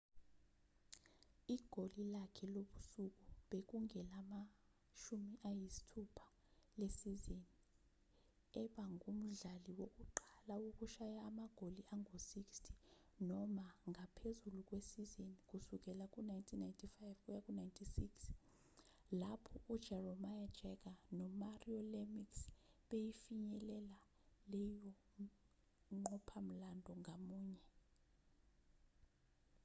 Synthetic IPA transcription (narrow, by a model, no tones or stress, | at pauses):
iɡ̥ʱolilakʰɛloɓusuk̬ʼuɓek̬uŋɛlama | ʃumiʔajisi̥tʰupʰḁ | lesizeni | ɛɓaŋum̩ɮaliwok̬ʼuǃalauk̬ʼuʃajaːmaɡ̥ʱoliʔaŋosikstʰi̥ | nɔmaŋʱapʰezuluk̬ʼwesizinikʼusuk̬ʼɛlakʼunajntʰinajntʰifajvkʼujakʼunajntʰisiks | lapʰɔʔud̥ʒ̥ʱɛrɔmajad̥ʒ̥ʱɛk̬anɔmariɔlemiksɓejifiɲɛlɛla | lɛjɔ | ŋ͡ǃɔpʰam̩landʱɔŋʱamuːɲɛ